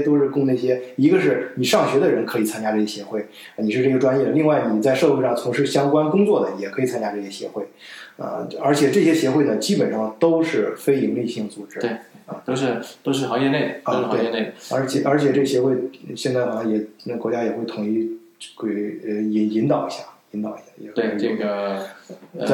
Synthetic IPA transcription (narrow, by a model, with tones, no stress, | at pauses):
ɛ˥t̪o˥ʊʂɻ̩˥˧kʊ˥˧ŋna˥˩ɕjɛ˥i˧˥ɡə˧ʂɻ̩˥˩ni˨˩ʂɑ˥˩ŋɕɥɛ˧˥d̪ə˧˨ɻə˧˥nkʰɤ˧˥i˨˩t͡sʰa˥nt͡ɕja˥ʈ͡ʂɤ˥˩ɕjɛ˥ɕjɛ˧˥xwe˥˩ɪ˧˩ | ni˨˩ʂɻ̩˥˧ʈ͡ʂɤ˥˩ɡə˩ʈ͡ʂwa˥njɛ˥˩d̪ə˩li˥˧ŋwa˥˩ɪni˨˩t͡sa˥˧ɪʂɤ˥˧xwe˥˧ʂɑ˥˩ŋt͡sʰʊ˧˥ŋʂɻ̩˥˩ɕjɑ˥ŋkwa˥nkʊ˥ŋt͡swɔ˥˩d̪ə˩ni˨˩jɛ˨˩kʰɤ˧˥i˨˩t͡sʰa˥nt͡ɕja˥ʈ͡ʂɤ˥˩ɕjɛ˥ɕjɛ̰˧˥xwe˥˩ɪə̰˧ə˞˧˥t͡ɕʰjɛ˨˩ʈ͡ʂɤ˥˩ɕjɛ˥ɕjɛ˧˥xwe˥˩nə˩t͡ɕi˥pə˨˩nʂɑ˥˩ŋt̪o˥ʊʂɻ̩˥˩fe˥ɪi˧˥ŋli˥˧ɕi˥˩ŋt͡su˨˩ʈ͡ʂɻ̩˥˩˧t̪o˥ʊʂɻ̩˥˧t̪o˥ʊʂ̬ɻ̩˥˩xɑ˧˥ŋjɛ˥˧ne˥˩ɪ˩ə˥˧˥we˥˩ɪ˥˧ne˥˩ə̰˧˥t͡ɕʰjɛ˨˩ə˞˧˥t͡ɕʰjɛ˨˩ʈ͡ʂɤ˥˩ɡə˩ɕjɛ˧˥xwe˥˩ɪɕjɛ˥˧nt͡sa˥˩ɪʔə˧˩jɛ˨˩ə˥˩kwɔ˧˥t͡ɕja˥jɛ˨˩xwe˥˩ɪt̪ʰʊ˧˥ŋi˧˥ | kwe˧˥˩i˧˥i˧˥nt̪ɑ˨˩ʊi˧˥ɕja̰˥˩i˧˥nt̪ɑ˨˩ʊi˧˥ja˥˩jɛ˧˩˥ɡə˩˧˩